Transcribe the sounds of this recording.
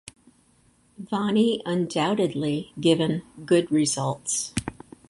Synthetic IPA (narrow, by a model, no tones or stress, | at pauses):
vɑniʔə̃ndaʊɾɨdˡliɡɪvɨ̃nɡʊd̚ɹɪzʌlˠts